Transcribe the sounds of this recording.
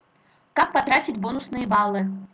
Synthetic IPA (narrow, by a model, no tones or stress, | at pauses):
kak̚pɐt̪ɾatʲɪtʲbonʊsnɨjɪbalˠːɨ